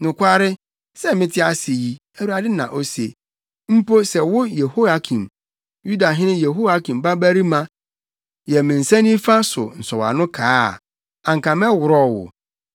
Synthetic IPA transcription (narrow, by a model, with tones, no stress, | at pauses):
nʊ̃˨kʷʰa˦ɾɪ˦ | sɛ˦mɪ̃˦tʰɪ˦a˨sɪ˨ji˦ | æ˨wu˨˦a˨dɪ˦nã̰˨ʔo˦se˨ | m̩˦po˦sɛ˨wʊ˦je˨ho˦a˨kʰĩ˨m | ju˦da˨ɦɪ̃˦nɪ̃˦je˨ɦo˦a˦kʰĩ˨mba˦bæ˦ɾi˦mã˨ | jɛ˨mɪ̃˨n̩˨sæ̃˦nĩ˦fa˦sʊ˨n̩˨sɔ˨wa̰˨nʊ̃˦kʰaː˦˨ | ã˨ŋkʰã˨mɛ˦wʊ˨ɾɔ˦wʊ̰˨